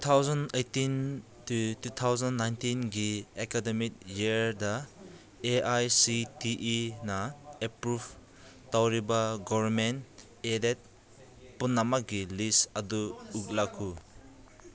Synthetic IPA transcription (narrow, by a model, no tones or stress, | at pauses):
ut̪ʰawzɔnejtin | tutut̪ʰawzanːajntinɡiekademik̚jiɾda | eʔajsitiʔinaepɾub | tawɾibaɡɔvɾment | edet̚ | punːamak̚ɡilisɐduːk̚lakʰːu